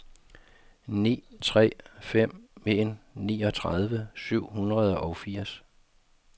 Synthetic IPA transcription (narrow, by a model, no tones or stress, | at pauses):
nḭːt͡sʰʁɛ̰ːfem̰me̝nniːɒ̽t͡sʰʁað̞ˠʋəsyʊ̰hunʁɐð̞ˠɒ̽ʊfiɐ̰s